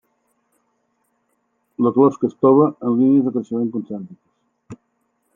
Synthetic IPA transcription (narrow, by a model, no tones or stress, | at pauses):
ləklɔpskəst̪ɔβəənlinjəzðəkɾəʃəmeŋkunsant̪ikə̥s